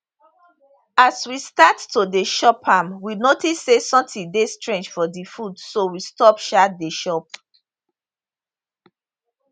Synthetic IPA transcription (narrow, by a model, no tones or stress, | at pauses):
aswistattodeʃɔpʰamwinotisːesɔ̃mtĩdestɹẽnd͡ʒfɔdifudsowistɔpʃat̚deʃɔp̚